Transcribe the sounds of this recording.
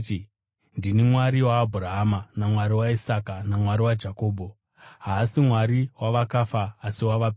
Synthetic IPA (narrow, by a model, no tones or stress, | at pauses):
ndinimwaɾiwaːbʱurɾaɦamanamwaɾiwaisakanamwaɾiwad͡ʒako̞ːbʱo | ɦaːsimwaɾiwaʋakafaːsiwaʋap